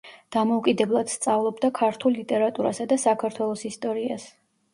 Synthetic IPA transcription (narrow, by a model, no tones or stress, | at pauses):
d̪̥amɔukʼid̪ɛblˠad̪̥st̪sʼavlˠɔbd̪akʰaɾt̪ʰullit̪ʼɛɾat̪ʼuɾa̰sad̪asakʰaɾt̪ʰwɛlˠɔsist̪ʼɔɾia̰s